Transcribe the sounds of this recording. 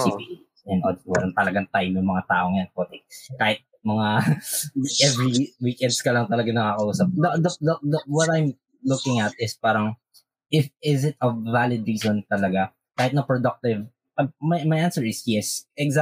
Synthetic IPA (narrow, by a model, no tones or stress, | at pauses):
sipḭʔ | ɛnʔod̪̚wɐlɐnt̪ɐlɐɡaŋt̪ajmjʊŋmɐŋat̪a̰ːʔoŋjanpɛt̪ɛkaːhɪt̪̚ | mɐŋa | ʔɛvɹiwiːkɛnd̪skɐlɐŋt̪ɐlɐɡanɐkakɐʔuːsɐp̚d̪ɐd̪ɐd̪ɐd̪ɐwɔt̪ajm | lʊkɪŋɐt̪̚ɪspaːɾɐŋ | ʔɪfɪsɪt̪ɐːalɪd̪ɹiːsont̪ɐlɐɡa | kaːhɪt̪nɐpɹod̪ɐk̚t̪ɪv | pɐmɐjmɐjʔansɛɹɪsjɛsʔɛɡza